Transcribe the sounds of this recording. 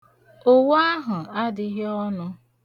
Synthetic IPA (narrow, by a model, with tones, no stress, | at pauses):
o˦wa˦ɦʊ˨a˦dɪ˦ɦe˦ɔ˦nʊ˦